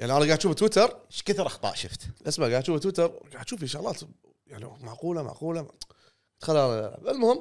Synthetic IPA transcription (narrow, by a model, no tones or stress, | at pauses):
jaʕniʔanaɡaʕt̪ːʃuːft̪wɪt̪ɑɾˤʃkat̪ɑɾˤʔɑxt̪ˤɑ̰ːʔʃɪft̪lʔɪsmaɡaʕt̪ːʃuːft̪wɪt̪ɑɾˤɡaʕt̪ːʃuːfɪnʃaɣlɑːt̪ | jaʕnimaʕquːlama̰ʕquːla | t̪xalːʔala̰bɪlmʊhɪmː